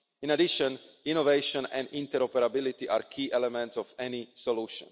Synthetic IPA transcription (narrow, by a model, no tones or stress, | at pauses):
ĩnad̪iʃə̃ninoveɪʃɔ̃nɛ̰̃nd̪ĩnt̪ɛɾɔpɛɾabilit̪iʔaːɾkʰiːʔɛlɛmɛ̃nt̪sɔfɛnisɔluːʃɔ̰̃n